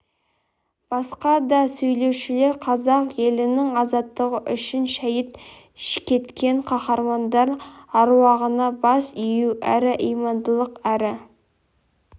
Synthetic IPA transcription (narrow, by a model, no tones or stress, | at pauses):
b̥ɑsqɑd̪ɑsɵjle̞wʃɪle̞ɾqʰɑzɑqje̞lɪnɪŋɑzɑt̪ːəʁəʔʏʃɪnʃæjət̪ | ʃɪ̥kʲʰe̞t̪kʲe̞ɴqʰɑχɑɾmɑnd̪ɑɾɑɾwɑʁənɑbɑsʏjuʔæɾɪʔijmɑnd̪əlˠəqæɾɪ